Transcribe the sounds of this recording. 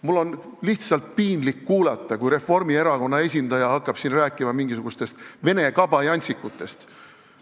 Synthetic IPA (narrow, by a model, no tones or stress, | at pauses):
mulːo̞n | liht̪sɑlt̪̚piːnlikːuːlɑt̪ˑːɑkujɾe̞fo̞rmie̞ɾɑko̞nːɑe̞s̬ʲind̪̥ɑjɑɦɑkːˑɑb̥siːnræːkːˑimɑmiŋɡ̥isuɡust̪e̞st̪ve̞ne̞kɑb̥ɑjɑnʲt̪sikːut̪ːˑe̞st̪